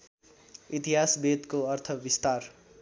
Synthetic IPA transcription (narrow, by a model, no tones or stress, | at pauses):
it̪iɦasbed̪koʌrt̪ʰʌbist̪ar